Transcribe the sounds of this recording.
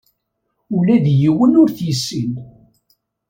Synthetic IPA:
ʊlæðjiwənʊɾθjəsːin

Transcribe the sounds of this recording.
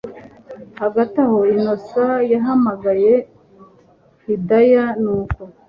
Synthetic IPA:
haɡataho̞ino̞sajaɦamaɡaje̞ | hidajanuːko

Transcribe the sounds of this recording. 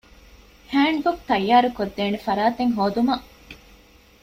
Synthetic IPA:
hæːɳɖbuk̚t̪ɐjːaːɾukod̪ːeːnefɐɾaːt̪eŋɦoːd̪umɐʔ

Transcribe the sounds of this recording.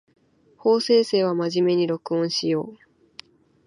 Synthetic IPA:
ho̞ːse̞ːse̞ːβ̞amaʑime̞ɲ̟iɾo̞kɯ̟õɰ̃ɕijo̞ː

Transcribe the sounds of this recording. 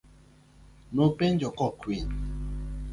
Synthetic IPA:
nopend͡ʒɔkɔkwin

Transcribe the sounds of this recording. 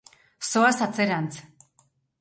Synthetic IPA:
soasat͡seɾant͡s

